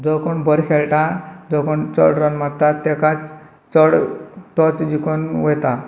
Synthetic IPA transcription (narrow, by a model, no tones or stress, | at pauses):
d͡zɔkoɳbəɾkʰeɭʈad͡zɔkoɳt͡sɔ̰ɽɾɔnmat̪ːat̪ːɛkat͡s | t͡sɔɽt̪ɔt͡sd͡ʑikonʋɔjt̪a